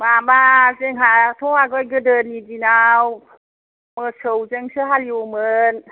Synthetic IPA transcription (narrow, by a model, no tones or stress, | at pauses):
mamazeŋɦatʰɔaɡɔjɡɯdɯnidinaw | mɯsɯwzeŋsɯɦaliumɯn